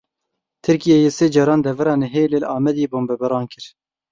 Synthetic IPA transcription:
t̪ʰɨɾkijejeːseːd͡ʒɑːɾɑːnd̪ɛvɛɾɑːnɛɦeːlelɑːmɛd̪eːboːmbɛbɛɾɑːnkɨɾ

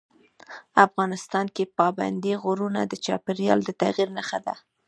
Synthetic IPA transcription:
afɣɑnɪst̪ɑnkepɑba̰nd̪iɣoɾunad̪ət͡ʃɑpeɾjɑ̰ld̪ət̪aɣiɾnaxad̪a̰

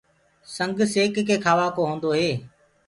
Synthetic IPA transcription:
sə̃ŋɡseːkkʰeːkʰaːʋaːkoːɦõːn̆d̪oːɦeː

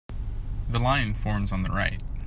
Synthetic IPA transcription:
ðəlãɪ̃nfɔɹmzn̩ðəɹaɪt̚

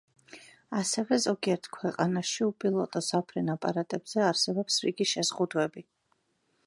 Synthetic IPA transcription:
asɛvɛzɔɡiɛɾt̪ʰkʰwɛqʼanaʃiupʼilˠɔt̪ʼɔsapʰɾɛnapʼaɾat̪ʼɛbz̥ɛaɾsɛbɔpsɾḭɡiʃɛz̥ʁud̪wɛbi

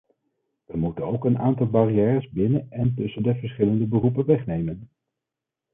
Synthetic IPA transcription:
ʋəmutənowkənaːntɑlˠbɑrijɛːrəzbɪnənɛntɵsəndəvəɹsχɪləndəbərup̬ənʋɛχnejmən

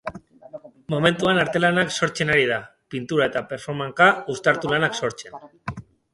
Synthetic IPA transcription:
mome̞nt̪uanaɾt̪e̞lanakso̞ɾt͡se̞naɾið̞a | pint̪uɾae̞t̪ape̞ɾfo̞ɾmaŋkaust̪aɾt̪ulanakso̞ɾt͡se̞n

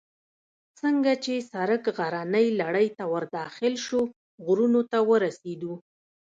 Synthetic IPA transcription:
t͡səŋɡat͡ʃesaɾəkɣaɾanəjlaɽəjt̪awəɾd̪ɑxɪlʃo | ɣɾunot̪awəɾased̪u

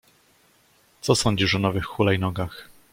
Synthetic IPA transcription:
t̪sɔsɔɲd͡ʑiʂɔnɔvɘxːulɛjnɔɡax

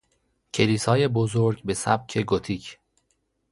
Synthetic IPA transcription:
cʰe̞liːsɒːje̞bozoɾɟbe̞sæ̰b̚cʰeɡot̪ʰiːcʰ

